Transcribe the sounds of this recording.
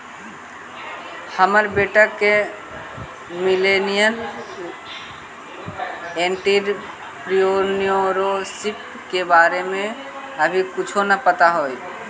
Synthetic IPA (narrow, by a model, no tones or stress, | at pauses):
həməɾbeːʈəke | milenijən | ẽːɳʈiɾ | pɾionijoɾosip̚ | kebaːɾemẽ | əbʱikʊt͡ʃʰonəpət̪aɦoj